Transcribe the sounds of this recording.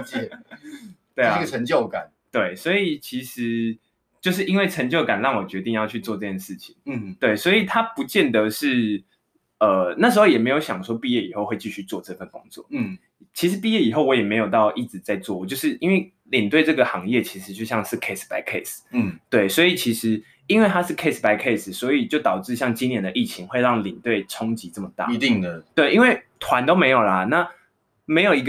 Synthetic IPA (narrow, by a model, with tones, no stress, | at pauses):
t̪we˥˩˥ɡʰə˧˦ŋt͡ɕjo˥˩ʊka˨˩˦nt̪we˥˩ɪswɔ˧˥i˨˩t͡ɕʰi˧˥ʂɻ̩˧˥˦ | t͡ɕjo˥˧ʊʂɻ̩˥˩ʔi˥nwe˥˩ɪʈ͡ʂʰə˧˥ŋt͡ɕjo˥˩ʊka˨˩nɻɑ˥˩ŋwɔ˨˩t͡ɕɥɛ˧˥t̪i˥˧ŋjɑ˥˧ʊt͡ɕʰy˥˧t͡swɔ˥˧ʈ͡ʂɤ˥˧t͡ɕjɛ˥˩nʂɻ̩˥˩t͡ɕʰi˨˩˦ŋt̪we˥˩ɪswɔ˧˥i˨˩t̪ʰa˦˥pu˧˦t͡ɕjɛ˥˨˩nd̪ə˨ʂɻ̩˥˩ | ə˩na˥˩ʂ̩˧˥xo˥˧ʊjɛ˨˩me˧˥ɪjo˧˥ʊɕjɑ˨˩ŋʂwɔ˥pi˥˧jɛ˥˩i˨˩xo˥˧ʊxwe˥˧ɪt͡ɕi˥˧ɕy˥˧t͡swɔ˥˧ʈ͡ʂɤ˥˧fə˥˩nkʊ̰˥ŋt͡swɔ̰˥˨˥ | t͡ɕʰi˧˥ʂɻ̩˧˦pi˥˧jɛ˥˩i˨˩xo˥ʊwɔ˧˥jɛ˨˩me˧˥ɪjo˨˩ʊt̪ɑ˥˧ʊʔi˥˩t͡sɻ̩˨˩t͡sa˥˧ɪt͡swɔ˥˩wɔ˨˩t͡ɕjo˥˧ʊʂɻ̩˥˩ʔi˥nwe˥˩ɪ | li˨˩nt̪we˥˧ɪʈ͡ʂɤ˥˩ɡə˩xɑ˧˥ŋjɛ˥˩t͡ɕʰi˧˥ʂɻ̩˧˦t͡ɕjo˥˧ʊɕjɑ˥˧ŋʂɻ̩˥˩kʰe˥˧ɪspa˧˥ɪkʰe˥˩st̪we˥˩ɪswɔ˧˥i˨t͡ɕʰi˧˥ʂɻ̩˧˥ | i˥nwe˥˩ɪt̪ʰa˥ʂɻ̩˥˩kʰe˥˧ɪspa˧˥ɪkʰe˥˧ɪsswɔ˧˥i˨˩t͡ɕjo˥˩ʊt̪ɑ˨˩ʊʈ͡ʂɻ̩˥˧ɕjɑ˥˩ŋt͡ɕi˥njɛ˧˥nd̪ə˨ʔi˥˩t͡ɕʰi˧˥ŋxwe˥˧ɪɻɑ˥˩ŋli˨˩nt̪we˥˩ɪʈ͡ʂʰo˥ŋt͡ɕi˧˥t͡sə˥˩mə˨˩t̪a̰˥˧˨t̪i˥˩ŋə˩t̪we˥˩ɪʔi˥nwe˥˩ɪt̪ʰwa˧˦nt̪o˥ʊme˧˥ɪjo˨˩ʊlɐ˨na˥˩ | me˧˥ɪjo˨˩ʊi˧˥ɡ